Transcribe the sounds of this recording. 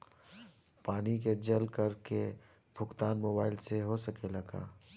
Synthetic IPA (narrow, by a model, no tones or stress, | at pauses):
paːnik̬ed͡ʒɐlkɐɾke | bʱʊkt̪aːnmoːbaːɪlseɦosɐkelɐɡa̰ː